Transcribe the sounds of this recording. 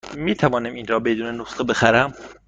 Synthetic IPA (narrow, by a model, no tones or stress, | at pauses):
miːt̪ʰævɒːnæminɾɒːbe̞d̪uːnenosχebe̞xæɾæm